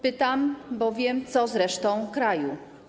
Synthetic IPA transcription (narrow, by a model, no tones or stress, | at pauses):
pɘt̪ambɔvʲjɛmt̪sɔzɾɛʂt̪ɔ̃w̃kɾaju